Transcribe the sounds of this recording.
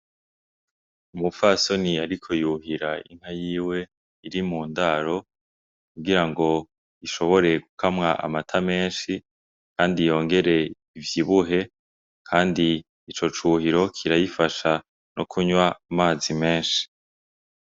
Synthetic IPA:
umufaso̞niaɾikʰo̞juhɦiɾaḭŋ̥ɦajiːwe̞ | iɾimuːndaɾo̞ | kuɡiɾaŋɡo̞ | iʃo̞βo̞ɾe̞ɡukʰamŋaʔa̰matʰame̞ːnʃi | kʰaːndijo̞ːŋɡe̞ɾe̞ | ivjiβuɦe̞ | kʰaːndiː | t͡ʃo̞t͡ʃuːhiɾo̞kʰiɾajifaʃa | nʔokʰuɲwaːmaːzime̞ːnʃi̥

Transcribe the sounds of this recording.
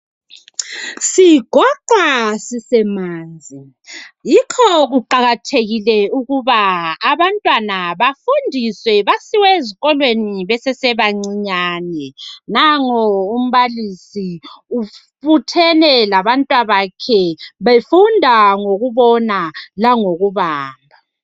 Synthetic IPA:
siɡ̥ʱɔǃasisɛmaːnd͡zʱi | jikʰɔɣuǃaɣatʰeɣilɛuɣuβaːβantʼwanaβafundʱiswɛβasiwɛeziɣɔlweniβɛsɛsɛβaŋ͡ǀiɲaːnɛnaŋɔum̩βalisiufutʰɛnɛlaβantʼwaβakʰɛβefundʱaŋoɣuβɔnalaŋoɣuβaːmbʱa

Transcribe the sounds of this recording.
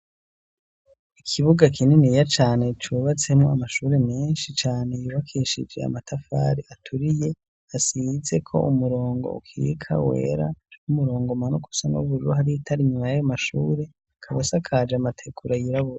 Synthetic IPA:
ikʰiβuɡakʰininijat͡ʃaːne̞t͡ʃuːβat͡se̞mŋoamaʃuːɾe̞meːnʃit͡ʃaːne̞juβakʰeʃid͡ʒe̞a̰matʰafa̰ːɾiʔatʰuɾije̞ | asize̞kʰo̞̰ʔumuɾo̞ːŋɡo̞̰ṵkʰiḭkʰa̰we̞̰ːɾa̰umuɾo̞ːŋɡomanuku̥sano̰βuɾɾuhaɾijitʰaɾiɲumajajomaʃuːɾe̞ | kʰaβasakʰad͡ʒamatʰe̞kʰuɾajiɾaβuɾa

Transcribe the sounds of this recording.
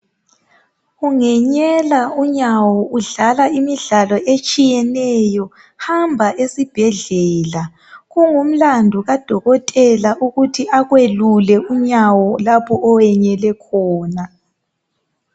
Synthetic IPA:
ɣuŋɛɲɛlauɲawɔuɮalaimiɮalɔʔet͡ʃʼijɛnɛjɔ | hambʱaʔesib̥ʱɛɮɛːla | ɣuŋum̩landʱuɣad̥ʱɔɣɔtʼɛlaʔuɣutʰiʔaɣwelulɛuɲawɔlapʰɔʔːwɛɲɛlɛkʰɔːna

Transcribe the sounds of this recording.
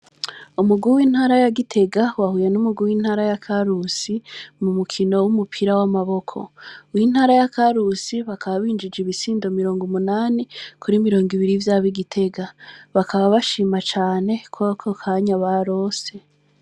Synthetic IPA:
umuɡuwiːn̥haːɾajaɡitʰe̞ɡawahuje̞numuɡuwiːn̥haːɾajakʰaɾusimumukʰino̞wumupʰiɾawamaβo̞kʰo̞̰win̥haːɾajakʰaɾusiβakʰaβaβiːnd͡ʒid͡ʒiβisiːndomiɾo̞ːŋɡumunaːnikʰuɾimiɾo̞ːŋɡiβiɾivjaːβiɡitʰe̞ɡaβakʰaβaβaʃiːmat͡ʃaːne̞kʰwokʰokʰaɲaβaɾo̞ːse̞

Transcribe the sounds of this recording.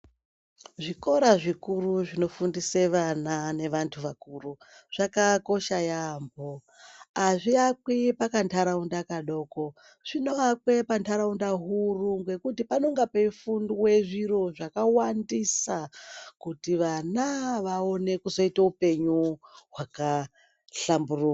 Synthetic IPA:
ʐiko̞ɾaʐikuruʐino̞fundiseʋanane̞ʋantʰuʋakuru | ʐ̥akako̞ʃajambo | aʐiak̚wipakantʰaɾaundakaɗo̞ːko̞ | ʐ̥ino̞akwe̞pantʰaɾaundaɦuruŋɡwe̞kutipanoŋɡapeifundwe̞ʐiro̞ʐakawandisakutiʋanaʋao̞ne̞kuzo̞itaupe̞ɲuɦwaka | ɬamburuka

